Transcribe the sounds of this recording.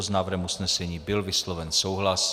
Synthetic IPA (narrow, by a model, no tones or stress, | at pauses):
znaːvr̩ɦɛmusnɛsɛɲiːbɪlvɪslɔvɛnsowɦlas